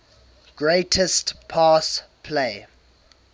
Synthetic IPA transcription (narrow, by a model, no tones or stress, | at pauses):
ɡ̥ɹeɪtʰɛstpʰaːspʰleɪ